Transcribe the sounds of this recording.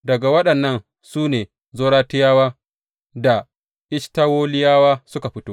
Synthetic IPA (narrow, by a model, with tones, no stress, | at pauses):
dɐ˨ɡa˨wɐ˦ɗɐ˨nːɐ˦n | suː˦neː˨ | zoː˦ɽaː˦tɪ˦jaː˦waː˦ | da˨ | ʔɪ˦ʃta˦woː˦lɪ˦jaː˦waː˦sʊ˦ka˨ɸɪ˦toː˦